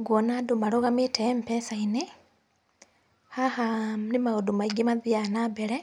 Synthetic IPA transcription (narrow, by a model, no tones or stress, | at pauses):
ɡwonadumaloɣamitʰem̩pɛsaine | hahamnimaɣodumaiɡimaðianabeɾe